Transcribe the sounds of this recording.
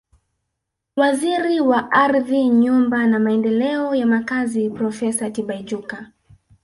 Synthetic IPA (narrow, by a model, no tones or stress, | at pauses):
waziɾiwaʔaɾðiɲumbanamaɛndɛlɛɔjamakazipɾɔfɛsatiɓaid͡ʒuka